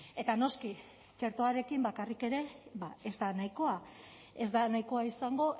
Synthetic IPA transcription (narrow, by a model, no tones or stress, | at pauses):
e̞t̪ano̞ski | t͡ʃe̞ɾt̪o̞aɾe̞kimbakarike̞ɾe̞bae̞zd̪anajko̞a | e̞zd̪anajko̞aisaŋɡo̞